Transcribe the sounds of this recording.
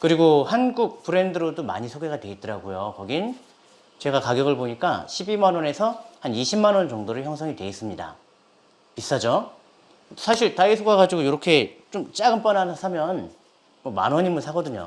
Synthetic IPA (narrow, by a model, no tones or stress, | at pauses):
kɯɾiɡohanɡuk̚p͈ɯɾe̞ndɯɾodoma̰ɲisʰoɡeɡadwe̞it̚t͈ʌɾaɡujokʌɡin | t͡ɕe̞ɡakaɡjʌɡɯɭboɲik͈a̰ɕʰibimanwʌne̞sʰʌhaniɕʰimːanwʌnt͡ɕʌŋdoɾɯɭçjʌŋsʰʌŋide̞is͈ɯmɲida̰ | pis͈ad͡ʑo | sʰaɕʰiɭtaisʰuɡaɡad͡ʑiɡojoɾʌkʰe̞t͡ɕ͈omt͡ɕ͈aɡɯmp͈ʌnanasʰamjʌn | mʌma̰nwʌɲimɯnsʰaɡʌdɯɲo̰